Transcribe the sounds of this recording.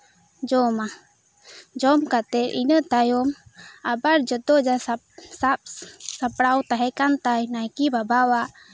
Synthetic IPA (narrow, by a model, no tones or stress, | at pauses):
d͡ʒɔma | d͡ʒɔmkat̪ɛɾʔinət̪ajɔmabaɾd͡ʒɔt̪ɔd͡ʒa | sap̚sapɽawt̪aɦɛkant̪ajnajkibabawaʔ